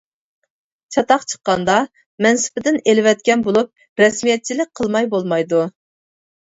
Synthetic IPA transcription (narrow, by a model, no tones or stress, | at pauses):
t͡ʃʰɑt̪ɑqt͡ʃʰə̥qːɑnd̪ɑ | mɛnsɪ̥pɪd̪ɪnelɪwɛt̪̚kʲɛnbolˠup̚ | ɾɛsmijɛt̪̚t͡ʃʰilɪk̚ʲqʰəlˠmɑjbolˠmɑjd̪u